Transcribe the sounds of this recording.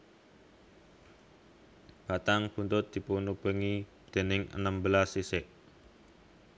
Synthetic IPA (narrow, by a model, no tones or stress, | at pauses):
b̥at̪aŋpunt̪ʊt̪̚d̪̥i̤punub̥əŋi | d̪̥e̤nɪŋʔə̰nəmbəlasisɪʔ